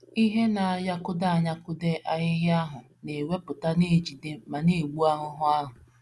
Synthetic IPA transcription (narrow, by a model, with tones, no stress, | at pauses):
i˦ɦe˦na˨a˨ja˦kʊ˦da˦˨a˨ɲa˦kʊ˦de˦ʔa˨ɲɪ˦ɦja˦ɦʊ˨ | ne˨we˦pʊ˨ta˦ne˦˨d͡ʒi˨de˦ma˨ne˨ɡ͡bu˦a˦ɦʊ˦ɦʊ˦a˦ɦʊ˨